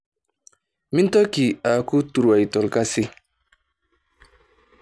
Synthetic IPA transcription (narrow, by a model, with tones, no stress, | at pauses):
mi˦n˦tɔ˦ki˨a˨ku˦tu˨ɾa˨i˨tɔ˨lka˦si˦